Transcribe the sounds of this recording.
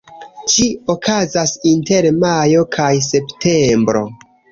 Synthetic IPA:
t͡ʃiokʰazasinte̞ɾmajo̞kʰajse̞pte̞mbɾo̞̰

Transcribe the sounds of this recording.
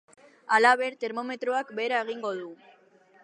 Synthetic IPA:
alaβe̞ɾt̪e̞ɾmo̞me̞t̪ɾoakbe̞ɾae̞ɣ̞iŋɡo̞ð̞u

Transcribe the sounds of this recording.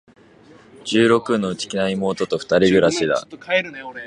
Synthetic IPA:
d͡ʑɨːɾo̞kɯ̟no̞ɯ̟t͡ɕi̥kʲinaimo̞ːt̪o̞t̪o̞ɸɯ̟̥t̪aɾʲiɡɯ̟ɾaɕid̪a̰

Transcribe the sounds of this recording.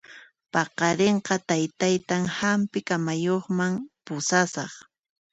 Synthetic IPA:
pɑqɑɾeɴqɑt̪ajt̪ajt̪aŋhampɪkamajoχmaŋpʊsasɑχ

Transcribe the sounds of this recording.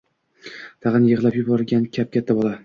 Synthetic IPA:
t̪ʰɑʁɨnjɨʁlˠapjʊbɒɾɡʲankʲʰap̚kʲʰat̪ʰːabɒlˠa

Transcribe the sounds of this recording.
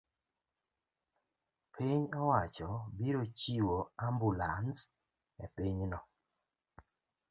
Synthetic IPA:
pʰiɲɔwat͡ʃɔbiɾot͡ʃiwoambulans | ɛpiɲnɔ

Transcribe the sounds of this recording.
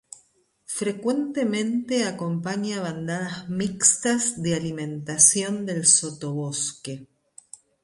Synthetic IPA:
fɾekwe̞nt̪emẽ̞nt̪eakompaɲaβand̪aðazmikst̪azðealimẽ̞nt̪asjo̞nd̪e̞lso̞t̪o̞β̞o̞ske

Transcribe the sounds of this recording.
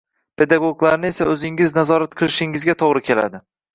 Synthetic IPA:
pʰe̞d̪aɡoɡlˠaɾnɪe̞saɵzɪŋɪznazɒɾat̪̚qʰɨlˠɪʃɪŋɪzɡʲat̪ʰoʁɾɪkʲʰe̞la̰d̪ɪ

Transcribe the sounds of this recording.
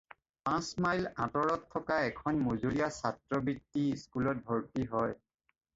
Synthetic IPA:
pãsmajlã̰tɔɹɔtʰːɔkaɛkʰɔnmozulijasatɹɔbitːiskulɔt̚bʱɔɹtiɦɔj

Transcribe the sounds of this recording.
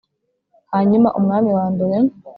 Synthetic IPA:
haɲima̰ʔumŋaːmiwaːmbeɾe

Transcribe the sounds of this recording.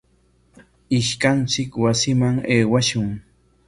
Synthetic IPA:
ɪʃkant͡sɪkwasɪmaŋeːwaʃʊŋ

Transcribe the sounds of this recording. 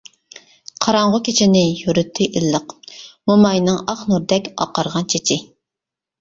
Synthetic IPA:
qʰɑɾɑɴʁʊkʲʰet͡ʃʰinɪjyɾyt̪ʰːɪʔilːəqmomɑjnɨŋɑχnuɾd̪ɛkʲɑ̰qɑɾʁɑnt͡ʃʰet͡ʃʰiɪ

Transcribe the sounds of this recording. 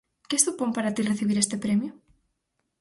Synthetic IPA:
kest̪upompaɾat̪ireθiβiɾest̪epɾemjʊ

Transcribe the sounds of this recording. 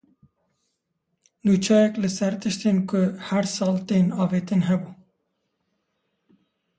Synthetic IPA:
nuːt͡ʃʰɑːjɛklɨsɛɾt̪ɨʃt̪eːnkʊhɛɾsɑːlt̪eːnɑːveːt̪ɨnɦɛbuː

